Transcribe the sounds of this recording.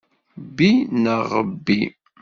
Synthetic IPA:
bːinəʁəbːi

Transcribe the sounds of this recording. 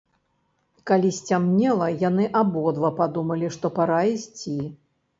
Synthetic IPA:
kalʲisʲt͡sʲamnʲɛlˠɐjan̪ɨʔabɔd̪vɐpad̪umɐlʲiʂt̪ɔpaɾaisʲt͡sʲi

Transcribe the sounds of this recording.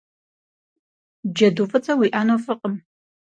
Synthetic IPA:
d͡ʒɐduːfɨt͡sʰʼɐwiːʔaːnofɨqʼəm

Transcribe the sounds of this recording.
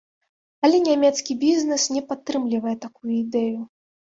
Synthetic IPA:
ɐlʲɛnʲamʲɛt̪skʲibʲiznɛsnʲɛpat̪ːɾɨmlʲivɐjɛt̪akujuid̪ɛju

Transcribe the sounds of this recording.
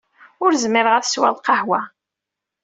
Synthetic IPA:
ʊɾzmɪɾəʁæθswæ̰lqɑhwæ

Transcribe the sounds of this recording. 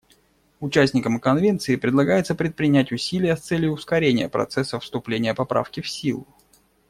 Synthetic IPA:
ʊt͡ɕæsʲnʲɪkəmkɐnvʲe̞nt̪sɨɪpɾʲɪd̪lˠɐɡajɪt̪səpɾʲɪt̪̚pɾʲɪnʲætʲʊsʲilʲɪjəst̪sɛlʲjʊːskɐɾʲenʲɪjəpɾɐ̰t̪sɛsːəfst̪ʊplʲenʲɪjəpɐpɾa̰fkʲɪfsʲilˠʊ

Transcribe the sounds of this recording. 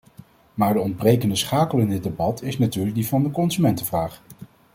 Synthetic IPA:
maːɹdəɔnd̚brejkəndəsχaːkəlˠɪndɪd̚debɑtʰɪsnatyːɹləɡ̚divɑndəkɔnzymɛntəvraːχ

